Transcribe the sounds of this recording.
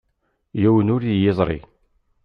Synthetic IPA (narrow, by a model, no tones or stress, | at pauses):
jæwənʊɾijezˤɾˤḭ